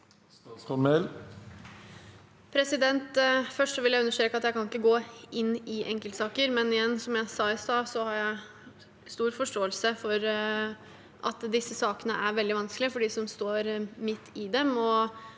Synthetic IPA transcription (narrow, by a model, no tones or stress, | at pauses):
kɔmɛl | pʰɾɛsɪd̪ɛnt̪fœʂʈsɔʋɪljæɪʉnːəʂt̪ɾeːkəɑt̪jæɪkɑnɪkːəɡoːɪnːɪʔɛŋkəlsɑːkəɾmɛnɪjɛnːsɔmjæɪsɑːɪsɑːsɔhɑɾjæɪ | st̪uːɾfɔʂʈoːəlsəfɔɾ | ʔɑt̪d̪ɪsːəsɑːkənəʔæɾʋɛld̪ɪʋɑnsklɪəfɔɖiːsɔmst̪oːɾmɪt̪ʰːɪd̪ɛmɔ